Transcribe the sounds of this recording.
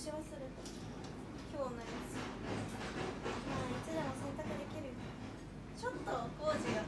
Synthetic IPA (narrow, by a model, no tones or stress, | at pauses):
ɕiβasɨɾɯ̟t̪o | kʲoːõnːaʑidasɨ | mait͡ɕid̪emosẽ̞nt̪akɯd̪e̞kʲiɾɯ̟j | t͡ɕo̞t̪ːoɡoːd͡ʑija